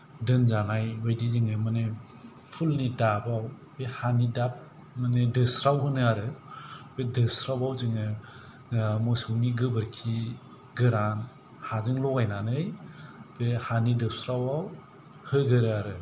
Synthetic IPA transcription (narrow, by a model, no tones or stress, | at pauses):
dɯnzanajwɯjdizɯŋɯmane | pʰulnidabaw | behanidap̚ | manedɯsɾawhɯnɯaɾɯb̥edɯsɾawawzɯŋɯ | mɔsɯwniɡɯbɯɾkʰi | ɡɯɾan | hazɯŋlɔɡajnanɯjbehanidɯsɾawaw | hɯɡɯɾɯaɾɯ